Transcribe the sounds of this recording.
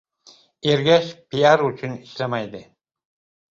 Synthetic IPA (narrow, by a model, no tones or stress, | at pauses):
eɾɡʲæʃpijaɾʊt͡ʃʰʊniʃlæmæjd̪ɪ